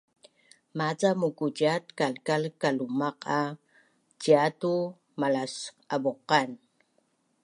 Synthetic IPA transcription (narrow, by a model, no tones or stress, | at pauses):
mat͡samukuɟat̪kalkalkalumaqa | d͡ʒiatu | malas | aboqan